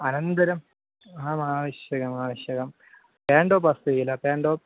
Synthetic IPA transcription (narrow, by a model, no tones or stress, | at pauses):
ɐnɐnd̪ɐɾɐm | aːmaːʋiɕjɐɣɐmaːʋiɕjɐɣɐm | peːɳɖoːpɐst̪ɐjilɐpeːɳɖoː